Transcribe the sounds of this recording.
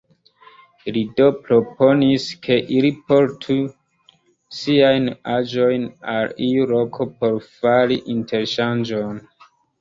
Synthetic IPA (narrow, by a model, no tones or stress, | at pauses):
lido̞pɾopʰo̞niskʰe̞ʔilipo̞ɾtʰu | siajnad͡ʒo̞jnalijulo̞kʰo̞po̞ɾfaɾiʔinte̞ɾʃand͡ʒo̞n